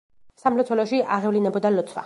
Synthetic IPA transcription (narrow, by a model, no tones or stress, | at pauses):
samlɔtsʰwɛlɔʃiʔaʁɛvlinɛbɔd̪alɔt̪sʰwa̰